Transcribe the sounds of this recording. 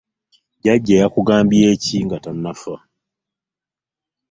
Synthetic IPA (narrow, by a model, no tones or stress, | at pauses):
ɟaɟːeːjakuɡaːmbieːciŋɡatanːafa